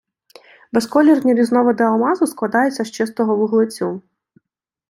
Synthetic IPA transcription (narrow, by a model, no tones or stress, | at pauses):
beskɔlʲirnʲiɾʲiznɔʋɔd̪ɪɐlˠmɑzʊsklˠɐd̪ɑjɛt͡sʲːɐʃt͡ʃɪst̪ɔɦɔʋʊɦlˠɪt͡sʲu